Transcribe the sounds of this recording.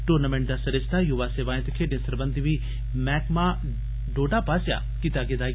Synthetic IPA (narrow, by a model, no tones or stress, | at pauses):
ʈuɾnamẽɳʈ̚d̪aːsɐɾest̪ʰajuʋaseːʋaːẽt̪ɐkʰeːɖẽsɐɾbənd̪iʋi | mɛːkmã | ɖoːɖapaːsja̰ | kit̪aɡed̪aː